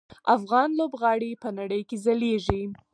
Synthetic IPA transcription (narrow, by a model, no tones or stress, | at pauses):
afɣɑnlobɣɑɽipənaɽəjkezaleʒi